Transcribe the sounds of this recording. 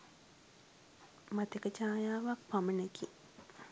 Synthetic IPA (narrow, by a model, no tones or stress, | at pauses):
mat̪ekət͡ʃaːjaːʋak̚paməneki